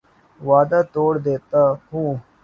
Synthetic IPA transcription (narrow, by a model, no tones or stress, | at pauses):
ʋaːd̪at̪oːɽd̪eːt̪ahũː